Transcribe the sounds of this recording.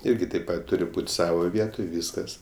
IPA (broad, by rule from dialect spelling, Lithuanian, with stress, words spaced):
ˈɪrʲɡʲɪ tɐɪp ˈpɐt ˈtʊrʲɪ ˈbuːtʲ ˈsɑːʋoː ˈʋʲiɛtoːj ˈʋʲiːskɐs